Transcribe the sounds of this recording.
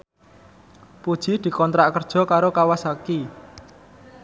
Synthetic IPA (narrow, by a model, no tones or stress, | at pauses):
pud̥ʒ̥i̤d̪̥i̤kɔnt̪ɾaʔkərd̥ʒ̥ɔ̤kaɾokawasaki